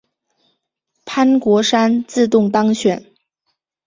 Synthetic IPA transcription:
pʰa˥nkwɔ˧˥ʂa˥nt͡sɹ̩˥˧t̪ʊ˥˩ŋt̪ɑ˥ŋɕɥɛ˨˩˦n

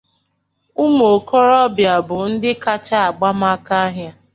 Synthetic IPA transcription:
u˦mo˨kɔ˦ɾɔ˦bja˨bʊ˨n̩˦dɪ˦ka˦t͡ʃa˦a˨ɡ͡ba˦ma˦ka˦a˦ɦja˦

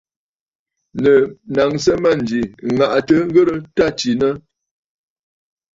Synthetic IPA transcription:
nə˨na˨ŋsə˦ma˦˨n˨d͡ʒi˨ŋa˨ʔtə˦ŋ˦ɡə˦ɾə˦ta˦˨t͡ʃi˨nə˦

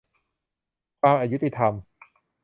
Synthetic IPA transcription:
kʰaː˧mʔa˧˩ju˦˥t̪i˧t̪ʰa˧m

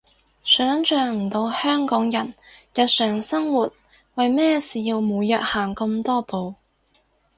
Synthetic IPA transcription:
sœː˨˥ŋt͡ʃœː˨˧ŋm̩˨˩t̪o˧whœː˥ŋkɔː˨˥ŋjɐ˨˩njɐ˨t̚sœː˨˩ŋsɐ˥ŋwuː˨t̚ | wɐ˨jmɛː˥siː˨jiː˧wmuː˨˧jjɐː˨t̚haː˨˩ŋkɐ˧mt̪ɔː˥po˨˧w

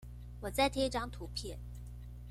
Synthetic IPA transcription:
wɔ˨˩t͡sa˥˧ɪt̪ʰjɛ˥i˧ʈ͡ʂɑ˥ŋt̪ʰu˧˥pʰjɛ˥˩n

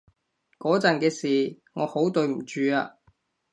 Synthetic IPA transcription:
kɔː˨˥t͡sɐ˨nkɛː˧siː˨˩ | ŋɔː˨˧ho˨˥wt̪ɵ˨˧ɥm̩˨˩t͡ʃyː˨aː˧

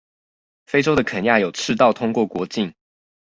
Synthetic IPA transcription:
fe˥ɪʈ͡ʂo˥ʊd̪ə˨kʰə˨˩nja˥˩jo˨˩ʊʈ͡ʂʰɹɻ̩˥˧t̪ɑ˥˨ʊt̪ʰʊ˥ŋkwɔ˥˩kwɔ˧˥˦t͡ɕi˥˨ŋ

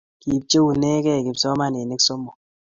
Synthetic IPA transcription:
ki˨p̚t͡ʃe˦wu˨ne˦kɛ˦˨ki˨bsɔ˦ma˦ne˨ne˦kso˦mo˨

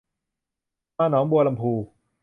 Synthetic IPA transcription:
maː˧˩nɔː˨˦˥ŋbu˧ɐla˧mpʰuː˧

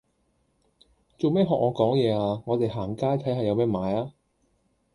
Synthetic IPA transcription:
t͡so˨wmɛː˥˩ɦɔː˨k̚ŋɔː˨˧kɔː˨˥ŋjɛː˨˧aː˧ŋɔː˨˧t̪e˨jɦaː˨˩ŋkaː˥jt̪ʰɐ˨˥jɦɐ˨jɐ˨˧wmɛː˥maː˨˥jaː˥

